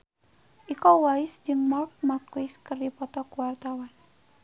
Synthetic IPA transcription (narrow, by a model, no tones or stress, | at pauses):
ʔikɔwaisd͡ʒɨŋmɔrk̚markuiskərdipɔt̪ɔkuwart̪awan